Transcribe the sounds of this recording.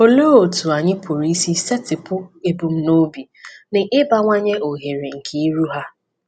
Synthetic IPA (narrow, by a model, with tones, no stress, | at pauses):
o˨loː˦o˨tu˨a˨ɲɪ˦pʰʊ˨ɾi˦si˦sɛ˦tɪ˨pʊ˦e˦bu˨m̩˦no˦bi˨ | nɪ˨ʔɪ˦ba˦ŋʷa˦ɲe˦ʔo˨ɦe˨ɾi˨ŋ̩˨kʰe˨i˦ɾu˦ɦa˦